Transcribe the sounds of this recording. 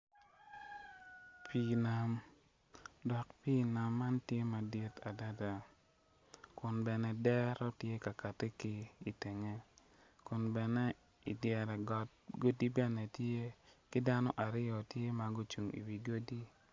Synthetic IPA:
pʰi˨na˨m | dɔ˨kpi˦na˨mːa˦ntje˦ma˨di˦ta˨da˦da˨ | kʊ˨nbɛ˨nɛ˦dɛ˦ɾɔ˦tje˦ka˨ka˨te˦kɪ˦i˨te˨ŋe˦ | kʊ˨nbɛ˨nɛ˦ | i˨djɛ˨ɾɛ˨ɡɔ˨t̚ɡo˦di˦bɛ˦nɛ˨tje˦kɪ˦da˦nɔ˦ʔa˨ɾɪ˦jɔ˨tje˦ma˨ɡo˦t͡ʃu˨ŋḭ˨wi˨ɡo˦di˦

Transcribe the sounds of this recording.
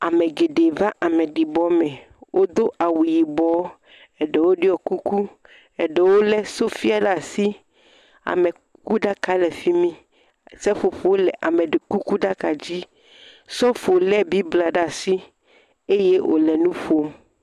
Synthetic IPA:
a˨mɛ˨ɡe˨ɖe˨va˦ʔa˨mɛ˨ɖi˨bɔ˦mɛ̃˨ | wʔo˦d̪o˦ʔa˨wu˨ji˨bɔ˦ | ɛ˨ɖɛ˨wo˦ɖe˦ɔ˨ku˦ku˦ | ɛ˨ɖɛ˨wo˦lɛ˦so˦fi˦a˨ɖa˨si˦ | a̰˨mɛ˨ | ku˦ɖa˦ka˦lɛ˨fi˦mĩ˦ | sɛ˦ɸo˨ɸo˨wo˦lɛ˨ʔa˨mɛ˨ɖe˨ku˦ku˦ɖa˦ka˨d͡ʑi˦ | sɔ˦fo˨lɛ˦bi˦bla˨ɖa˨si˦ | e˦je˦ʔo̰˨lɛ˨nũ˦ɸo˦

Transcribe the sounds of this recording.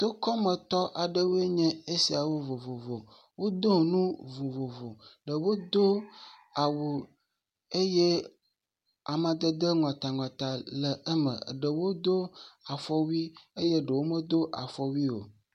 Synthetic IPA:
t̪o˦kɔ˦mə̃˨t̪ɔ˦ʔa˨ɖə˦wo˦e˦ɲɛ̃˦e˦si˨a˨wo˦vo˨vo˨vo˨ | wo˦d̪o˦˨nũ˦vo˨vo˨vo˨ɖə˨wo˦d̪o˦ | a˨wo˨ | e˦je˦ | a˨mã˨d̪ə˦d̪ə˦ŋɔ̃˨t̪a˨ŋɔ̃˨t̪a˨lə˨ʔə˦mə̰̃˨ɖə˨wo˦d̪o˦a˨fɔ˦wi˦e˦je˦ɖə˨wo˦mə˦d̪o˦ʔa̰˨fɔ˨wi˦wo̰˨

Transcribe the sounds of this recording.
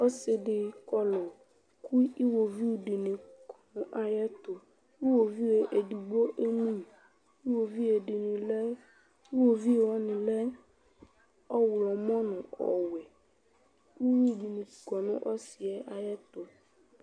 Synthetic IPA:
ɔ˦se˨ɖe˨kɔ˦lɔ˨ | ku˦i˦wo˨vi˦wu˨ɖe˨nẽ˨kɔ˨nũ˦ʔa˨jɛ˦t̪o˨ | i˦wo˨vi˦we˨ʔe˨du˨ɡ͡bo˦ʔe˦nũ˦˨ | i˦wo˨vi˦e˨ɖe˨nĩ˨lɛ˦ | i˦wo˨vi˦˨wɔ˦nĩ˨lɛ˦ | ɔ˦wlɔ˨mɔ̃˦nũ˨ɔ̰˨wɛ˨ | u˦vi˦˨ɖi˨nẽ˨kɔ˨nṵ̃˦ʔɔ˦si˨ɛ˦ʔa˨jɛ˦t̪o˦

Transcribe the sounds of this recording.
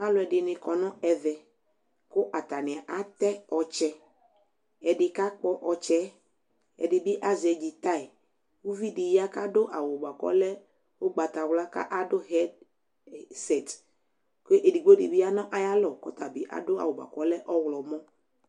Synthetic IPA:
a˦lʊ˨ɛ˨dɪ˨nɪ̃˨kɔ˨nɔ̃˦ɛ˨vɛ˨ | kʊ˦ʔa˨t̪a˨nɪ̃˨a˨ʔa˦t̪ɛ˦ɔ˨t͡ʃɛ˦ | ɛ˨dɪ˨ka˦k͡pɔ˦ʔɔ˨t͡ʃɛ˦ | ɛ̰˨dɪ˨bi˦ʔa˦zɛ˨d͡ʒi˨t̪a˦˨i˨ | wu˦vi˦dɪ˨ja˦ka˦dʊ˦ʔa˨wʊ˨ɡ͡ba˨kɔ̰˦lɛ˦ | wo˦ɡ͡ba˨t̪a˨wla˦ka̰˦ʔa˦dʊ˦ɦɛ˦d | sɛ˨t | ke˦ʔe˨di˨ɡ͡bo˦dɪ̰˨bi˦a˦nɔ̃˦ʔa˨ja˦lɔ˨kɔ˦t̪a˨bi˨ʔa̰˨dʊ˦a̰˨wo˨ɡ͡ba̰˨kɔ˦lɛ˦ʔɔ˦wlɔ˨mɔ̃˦

